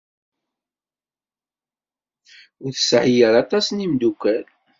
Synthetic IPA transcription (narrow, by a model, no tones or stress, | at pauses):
ʊθə̥sʕijəɾɑt̪ˤɑsnimd̪ukʷːæl